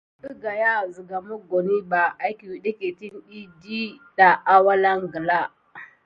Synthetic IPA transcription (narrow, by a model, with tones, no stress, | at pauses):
ɗi˦ɡa˨ja˦zi˨ɡa˨mʊ˦ɡo˨ni˦ba˨ʔa˦jkʲi˨wi˦ɗe˦kʲe˨ti˦nɗi˦di˦da˨ʔa˦wa˦la˦ŋɡə˨la˦